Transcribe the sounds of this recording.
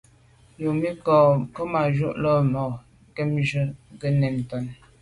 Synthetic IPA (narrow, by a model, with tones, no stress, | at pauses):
jo˨mi˦kɔ˨kə˦ma˨ʒu˦ʔlɔ˦mɔ˨ | ke˦mʒə˦ɡə˦nɛ˨m˨tɔ˦˨n